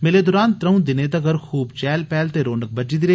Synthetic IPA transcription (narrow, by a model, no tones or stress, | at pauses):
mɪleːd̪ʊɾaːnt̪ɾəũd̪ɪneːd̪ɐɡəɾxʰuːbt͡ʃɛːlpɛːlt̪eːɾoːnək̚bəd͡ʒiːd̪ɪɾe